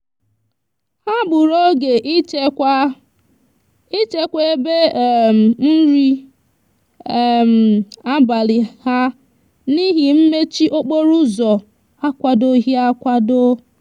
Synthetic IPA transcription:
ha˦bʊ˨ɾo˦ɡe˨ʔʷ | i˦t͡ʃe˦kʷe˦e˦be˦˨m˨n̩˦ɾi˦˨ | m̩˨a˦ba˨li˨ha˦ | ni˦ɦi˨m̩˦me˦t͡ʃi˦ʔo˦k͡po˦ɾu˦zɔ˨ | a˦kʷa˨do˦ɦi˦a˦kʷa˦do˦

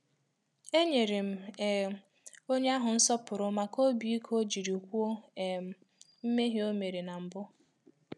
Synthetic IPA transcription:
e˦ɲe˨ɾe˨m̩˨ | o˦ɲe˦a˦ɦʊ˨n̩˦sɔ˦pʊ˨ɾʊ˨ma˨ko˦bi˨˦i˦kʰo˦d͡ʒi˨ɾu˨kʷu˦o˦˨ | m̩˦me˦ɦi˦o˦me˨ɾe˨na˨m̩˨bʊ˦

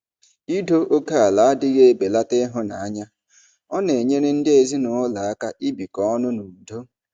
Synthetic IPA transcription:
i˦do˦ʔo˦ka˦a˨la˨a˦dɪ˦ɣe˦e˨be˨la˦tɪ˦ɦʊ˦na˨a˦ɲa˦ | ɔ˦ne˨ɲe˦ne˦n̩˦dɪ˦e˨zi˦nʊ˨ʊ˦la˨a˦ka˦ʔi˦bi˨kɔ˦ɔ˦nʊ˦nu˨do˦

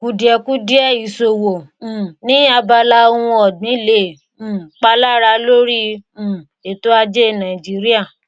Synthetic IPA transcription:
ku˨˧di˨˦ɛ˧ku˦di˦ɛ˦˨i˨so˨wõ˨nĩ˦a˧ba˧la˦o˧wũ˧ɔ˨dĩ˨˦lẽ˦˨˦ | k͡pa˧la˦˨ɾa˧lo˦ɾĩ˦˨ | e˨to˦a˧d͡ʒe˦˨nã˨i˨d͡ʒi˦ɾi˦a˦˨

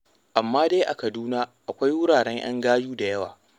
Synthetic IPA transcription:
ʔa˨mːaː˦de˦jʔa̰˨kɐ˨duː˦naː˦ʔa˨kʷa˦jwʊ˦ɽaː˨ɽɛ˦ɲj̰ɐ̰˦ŋɡaː˦juː˦da˨jɐ˦wa̰ː˨

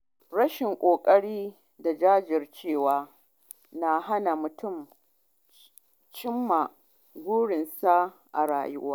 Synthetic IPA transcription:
ɽɐ˦ʃɪ˨ŋkʷʼoː˨kʼɐ˦ɽiː˦ | da˨d͡ʒaː˦d͡ʒɪ˨rt͡ʃeː˦˨waː˦ | na˨ɦa˦na˨mʊ˨tʊ˦˨m | t͡ʃɪ˦mːa˨ | ɡʷuː˦ɽɪ˨nsa˦ʔa̰˨ɽa̰ː˨jʊ̰˦waː˦

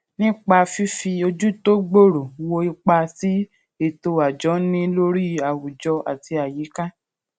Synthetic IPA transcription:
nĩ˦k͡pa˧fi˦fi˧o˧d͡ʒu˦to˦ɡ͡bo˦˨ɾo˨wo˧i˧k͡pa˧si˨˦ | i˦˨to˧a˨d͡ʒɔ˨˦nĩ˦lo˦ɾi˦a˨wu˨d͡ʒɔ˧ʔa̰˨ti˧a˨ji˨˦ka˦

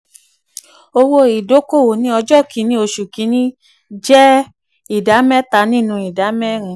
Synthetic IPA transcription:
o˧wo˦i˨do˨˦ko˦˨wo˨nĩ˦ɔ˧d͡ʒɔ˦˨kʰi˨˦nĩ˦o˧ʃu˨ki˨˦nĩ˦ | d͡ʒɛ˦ | i˨da˨˦mɛ̃˦ta˧˦nĩ˦˨nũ˧i˨da˨˦mɛ̃˦ɾ̃ĩ˧

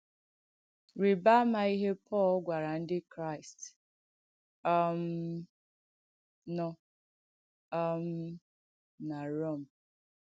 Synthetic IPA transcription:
ɾi˨ba˦ma˨i˦ɦe˦pʰɔ˦˨lɡʷa˨ɾa˨n̩˦dɪ˦kɾa˦˨ɪ˨st | ɔ˦m̩˦ | nɔ˦ | ɔ˦m̩˦ | na˨ɾo˦˨m̩˨

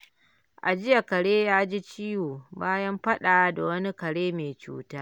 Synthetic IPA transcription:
ʔa˨d͡ʒɪ˦ja˨kɐ˨ɽeː˦jaː˦d͡ʒi˦t͡ʃiː˦woː˨baː˦jɐ˦mɸɐ˦ɗaː˨da˨wɐ˦ni˦kɐ˨ɽeː˦meː˨t͡ʃṵː˦taː˦

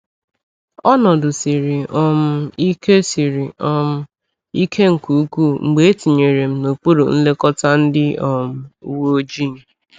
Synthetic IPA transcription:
ɔ˦nɔ˨dʊ˨si˨ɾi˨ʔɔ˦m̩˦i˦ke˦si˨ɾi˨ɔ˦m̩˦ | i˦kʰe˦ŋ̩˨ku˨u˦ku˦ŋ͡m̩˨ɡ͡be˨e˦ti˨ɲe˨ɾe˨m̩˦no˨k͡pu˦ɾo˨n̩˦le˦kɔ˦ta˦n̩˦dɪ˦ɔ˨m̩˦u˦wo˦o˦d͡ʒi˦˨ŋ̩˨

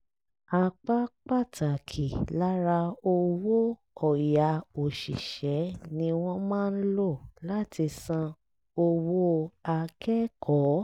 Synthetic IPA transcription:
a˧k͡pa˦k͡pa˦˨ta˨kʰi˨la˦ɾa˧o˧wo˦ | ɔ˨ja˨˦o˨ʃḭ˨ʃɛ˨˦nĩ˧w̃ɔ̃˦mãː˦˨n̩˦lo˦˨la˦ti˧sã˧ | o˧wo˦a˧kɛ˦kʰɔ˨˦

